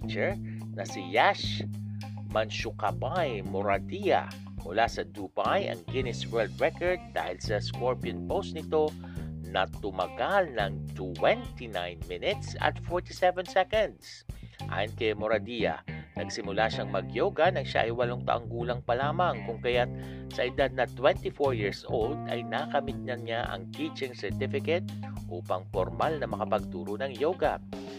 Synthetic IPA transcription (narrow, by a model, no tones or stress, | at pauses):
t͡ʃɛɹ | nɐsɪjaʃ | mɐnʃʊkabajmoɾɐd̪ijɐ̰ | mʊlasɐd̪ubajʔɐ̰ŋɡɪnɪswɛɹld̪ɹɛkoɹd̪̚ːa̰ːhɪlsɐskoɹpiɐnpost̪nɪt̪o̞ | nɐt̪ʊmɐɡalnɐŋt̪wɛnt̪inajnmɪnɪt̪sɐ̰t̪fɔɹt̪isɛvɛnsɛkɛnd̪sʔa̰ːjɪnkɐjmoɾɐd̪ijɐ̰nɐɡsɪmʊlaʃaŋmɐɡjoɡɐnɐŋʃa̰ʔɐjwɐloŋt̪ɐ̰ʔaŋɡuːlɐŋpɐlaːmɐŋkʊŋkɐjat̪̚ | sɐʔɪd̪ad̪̚nɐt̪wɛnt̪ifoɹjiɹsʔold̪ɐ̰jnakɐmɪt̪̚ɲɐŋɲaʔɐ̰ŋt̪it͡ʃɪŋsɛɹt̪ɪfɪkɛt̪̚ʔuːpɐŋpoɾmalnɐmɐkɐpɐɡ̚t̪uːɾonɐŋjoɡɐ̰